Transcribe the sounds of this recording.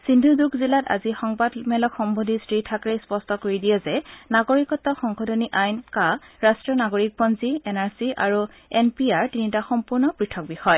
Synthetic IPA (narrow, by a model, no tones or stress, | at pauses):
sindʱudukʰzilata̰zixɔŋbadmɛlɔkxɔmbodʱistɹitʰakɹejspɔstɔkoɹidijɛzɛnaɡoɹikɔtːɔxɔŋkxɔdʱɔniʔajnkaɹastɹɔnaɡoɹik̚bɔnziɛnaɹsiʔa̰ɹu | ɛnpiaɹtinitaxɔmpuɹnɔpɹitʰɔk̚bixɔj